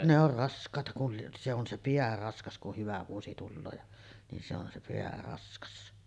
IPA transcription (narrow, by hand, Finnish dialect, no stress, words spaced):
ne or rɑskˑɑˑetɑ kul lieʔ se on se piæ rɑskɑs kuh hyʋæ ʋuosi tulːoː jɑ nin se on se peæ rɑskɑs